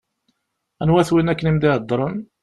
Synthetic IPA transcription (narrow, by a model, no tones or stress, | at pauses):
ænwæθwinækːənimd̪ɪəd̪ˤːɾˤən